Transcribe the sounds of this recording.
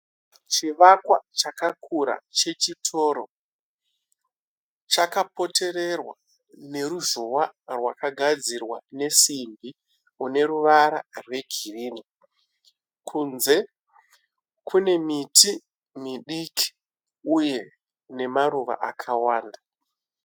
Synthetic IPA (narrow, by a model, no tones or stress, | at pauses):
t͡ʃiʋakwat͡ʃakakʰuɾa̰t͡ʃe̞t͡ʃitʰo̞ːɾo̰ | t͡ʃakapo̞te̞re̞rwa | ne̞ɾuʒuwarwa̰kaɡʱad͡zirwane̞simbi | une̞ɾuʋaɾa̰rwe̞ɡʱiriːni | kʰunze̞ | kʰune̞mitʰi | miɗikʰi̥ | uje̞ | ne̞maɾuʋa̰ʔa̰kʰawaːnda